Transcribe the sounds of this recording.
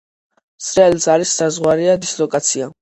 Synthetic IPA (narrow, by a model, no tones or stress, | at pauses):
sɾɛɛlzaɾisːazʁwaɾiad̪islɔkʼat̪sʰia